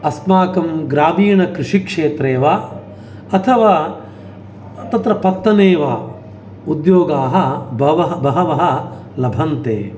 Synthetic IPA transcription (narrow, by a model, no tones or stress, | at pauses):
ɐsmaːkɐmɡɾaːbiːɳɐkɾɪʂikʂeːt̪ɾeːʋaː | ɐt̪ʰɐʋaː | t̪ɐt̪ɾɐpɐt̪ːɐneːʋaː | ud̪joːɡaːɦɐbɐʋɐɦbɐɦɐʋɐɦɐ̆ | lɐbʱɐnt̪ḛː